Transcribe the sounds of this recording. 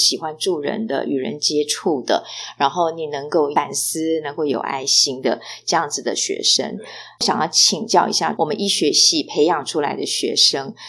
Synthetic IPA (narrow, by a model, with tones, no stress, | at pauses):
ɕi˨˩xwa˦nʈ͡ʂu˥˩ɻə̰˧˥nd̪ə̰˧ʔy˨˩ɻə̰˧˦˥nt͡ɕjɛ˥ʈ͡ʂʰu˥˩d̪ə̰˩ɻa˧˥nxo˥˩ʊni˨˩nɤ˧˥ŋko˥˩ʊa˨˩ns̩˥nɤ˧˥ŋko˥˩ʊjo˨˩ʊa̰˥˩ɪɕi˥ŋd̪ə̰˨ʈ͡ʂɤ˥˧jɑ˥˩ŋd͡zɹ̩˨˩d̪ə˨ɕɥɛ̰˧˥ʂə̰˥ŋɕjɑ˨˩ŋjɑ˥˩ʊt͡ɕʰi˨˩ŋt͡ɕjɑ˥˩ʊḭ˧˥ɕja̰˥˩wʔɔ˨˩mə˦ni˥˩ɕɥɛ˧˥ɕi˥˩pʰe˧˥ɪjɑ˨˩ŋʈ͡ʂʰu˥la̰˧˥ɪd̪ə˧ɕɥɛ̰˧˥ʂɤ˥ŋ